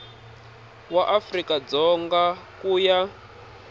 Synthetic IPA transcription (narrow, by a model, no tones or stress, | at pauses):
waʔafrikad͡zɔŋɡakuːja